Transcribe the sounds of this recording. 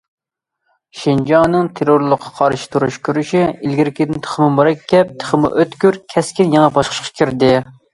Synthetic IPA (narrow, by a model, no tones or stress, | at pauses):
ʃind͡ʒɑnɨŋt̪ʰeɾoɾlˠəqʰːɑ̥qʰɑɾʃi̥t̪ʰuɾuʃkʲøɾyʃiilɡʲiɾɪkʲid̪ɪnt̪ʰə̥χəmɨmuɾɛkʲʰːɛp̚t̪ʰə̥χəmɨ̰ʔøt̪kʲyɾkʲʰɛskʲinjɛŋɛbɑʃqʰə̥ʃqʰɑ̥kʲʰiɾd̪ɪ